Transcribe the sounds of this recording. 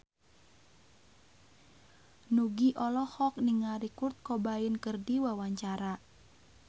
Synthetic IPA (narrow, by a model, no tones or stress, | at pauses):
nuɡiʔɔlɔhɔk̚niŋaɾikurt̪̚kɔbainkərdiwawaɲt͡ʃaɾa